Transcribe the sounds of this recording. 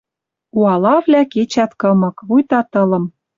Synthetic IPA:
uɑlɑvlʲæket͡ɕæt̪kɤ̆mɤ̆kβujt̪ɑt̪ɤ̆lɤ̆m

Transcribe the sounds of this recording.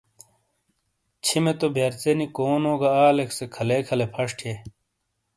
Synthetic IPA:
t͡ɕʰimet̪objeːɾt͡senikoːnoːɡaaːleksekʰɐlekʰɐlepʰɐʂʈʰje

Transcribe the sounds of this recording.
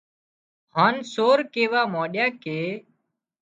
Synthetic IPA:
ɦãːnsoːɾkeːʋaːmãːɗjaːkeː

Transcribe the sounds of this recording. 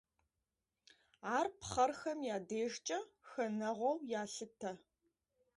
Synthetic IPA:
aːrpχɐrxɐmjaːdeːʒt͡ʃʼɐxɐnɐʁʷɔwjaːɬɨtʰɐ

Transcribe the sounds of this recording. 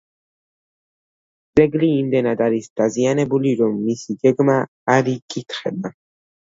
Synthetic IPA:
d̪z̥ɛɡliːmd̪ɛnad̪aɾisd̪̥azianɛbuliɾɔmːisiɡɛɡmaː | ɾikʼit̪ʰχɛba

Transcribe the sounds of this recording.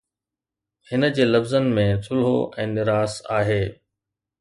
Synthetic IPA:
hɪnəd͡ʑeːlɐfzənɪ̆mẽsʰʊlɦo̰ʔɛ̃ːnɪɾaːsa̰ːɦeː

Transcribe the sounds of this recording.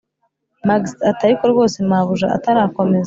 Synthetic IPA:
maɡstataɾikoɾɡo̞ːse̞maβuʒa̰ʔa̰taɾaːko̞me̞ze

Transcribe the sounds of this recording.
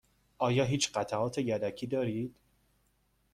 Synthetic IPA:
ʔɒːjɒːɦiːt͡ʃʰɢæt̪ʰæʔɒːt̪ʰe̞jæd̪æcʰiːd̪ɒːɾiːd̪̥

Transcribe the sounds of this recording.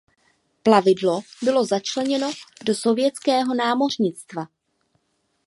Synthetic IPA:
plavɪdlo̞bɪlo̞zat͡ʃlɛɲɛno̞do̞so̞vjɛt͡skɛːɦo̞naːmo̞r̝ɲɪt͡st̪va

